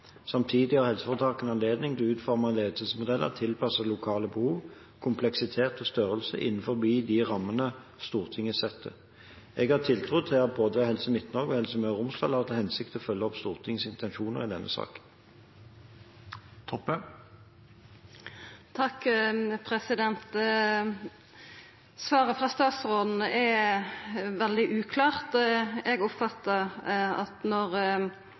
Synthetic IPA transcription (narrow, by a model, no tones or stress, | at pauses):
sɑmt̪ʰiːd̪ɪhɑʁhɛlsəfɔʁt̪ʰɑːkənɑnleːd̪nɪŋd̪ɛʉːt̪fɔʁmɑnleːd̪sɪlsmʊd̪ɛlːʔə̰ʁt̪ʰɪlpʰɑsəlʊkʰɑːləbəhuːʋ | kʰʊmpʰlɛksɪt̪ʰeːt̪ɔst̪œʁəlsə̰ʔɪ̰nn̩fɔʁbiːd̪ɪʁɑmːənə | st̪uːʁt̪ʰɪŋəsɛt̪ʰːə | ɛɡhɑːʁt̪ʰɪlt̪ʰʁʊd̪̚t̪ʰɪɑt̪̚boːd̪əɔhɛlsəmɪt̪nɔʁɡɔhɛlsəmøːʁʊmslɑlɑːʁt̪əhɛnsɪkt̪əɔfœlːəɔpst̪uːʁt̪ʰɪŋsɪnt̪ʰɛnʂuːnəʁɪd̪ɛnʔə̰sɑ̰ːkən | t̪ʰɔpːə | t̪ʰɑkːpʰɾɛsɪd̪ɛnt̪ | sʋɑːʁəfʁɑːst̪ɑːt̪sʁoːd̪n̩ɛ | ʋɛld̪ɪʔʉːkʰlɑːʁt̪ɛɡɔpfɑt̪ːəʁɑ̰t̪nɔʁ